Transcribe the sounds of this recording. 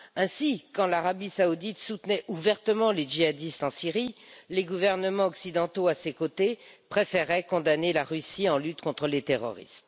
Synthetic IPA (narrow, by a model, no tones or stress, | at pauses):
ɛ̃sikɑ̃laʁabisaud̪it̪sut̪nɛʔuvɛʁt̪əmɑ̃leʒiad̪ist̪ɑ̃siʁileɡuvɛʁnəmɑ̃ɔksid̪ɑ̃t̪oasekot̪epχefeʁɛkɔ̃d̪anelaʁysiɑ̃lyt̪kɔ̃t̪χəlet̪eʁɔ̰ʁḭst̪